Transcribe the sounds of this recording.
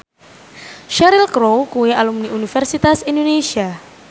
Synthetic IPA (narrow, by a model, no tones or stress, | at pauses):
ʃaɾilkɾowkuwealumniʔunifɛrsit̪asindonesia